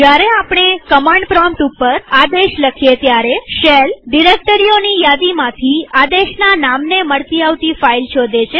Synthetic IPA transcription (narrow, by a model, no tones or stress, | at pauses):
d͡ʒjaɾeapɳ̃ekəmãɳɖpɾɔmʈupːəɾad̪eʃləkʰjet̪jaɾeʃelɖiɾek̚ʈəɾionijad̪imãt̪ʰiad̪eʃnanamneməɭt̪iaʋt̪ifailt͡ʃʰod̪et͡ʃʰe